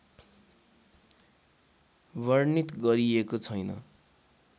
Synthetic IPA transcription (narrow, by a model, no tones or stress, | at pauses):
βʌrnit̪ɡʌɾiekot͡sʰʌjnʌ̰